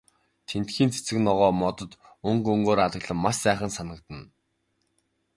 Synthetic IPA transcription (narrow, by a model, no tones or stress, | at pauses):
t̪ʰen̥t̪xiːnt͡sʰe̥t͡sɘ̆knɔʁɔːmɔt̪ɞ̆t̪ | ɵŋkɵŋɡoːɾaɮə̆ɣɮə̆mːaʃsæːχə̆nsanə̆k̚t̪ə̆n